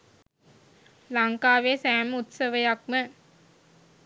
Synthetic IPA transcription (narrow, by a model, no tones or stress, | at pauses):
laŋkaːʋeːsæːmut̪səʋəjak̚mə